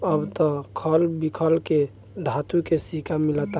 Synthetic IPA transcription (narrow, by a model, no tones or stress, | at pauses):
əbt̪ɔkʰəlbikʰəlke | ɖʱat̪ukesikamilət̪a